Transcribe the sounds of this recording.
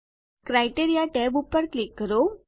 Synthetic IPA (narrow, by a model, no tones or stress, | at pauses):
kɾajʈeɾijaʈɛbupːəɾklikːəɾo